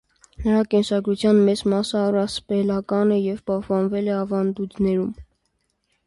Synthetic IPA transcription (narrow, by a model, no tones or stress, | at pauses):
nəɾɑkɛnsɑɡɾut͡sʰjɑnmɛt͡smɑsəːrɑspɛlɑkɑnɛjɛvpɑhpɑnvɛlɛɑvɑnd̪ud̪nɛɾum